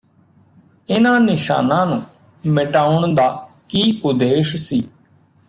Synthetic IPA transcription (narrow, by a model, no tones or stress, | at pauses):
ɪnãːnɪʃa̰ːnãːnũː | mɪʈaːʊɳd̪aːkiːʊd̪eːʃsiː